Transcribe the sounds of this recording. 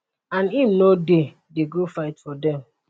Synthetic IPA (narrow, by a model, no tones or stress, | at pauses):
ãnim̩node | deɡofaɪtfɔdɛ̃m